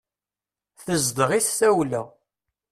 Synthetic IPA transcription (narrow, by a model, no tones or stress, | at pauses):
θəzd̪əʁiθːæwlæ